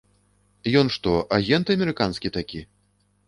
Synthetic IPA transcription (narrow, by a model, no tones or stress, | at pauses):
jɔnʂt̪ɔʔaɣʲɛnt̪ɨɐmʲɛɾɨkanskʲit̪akʲi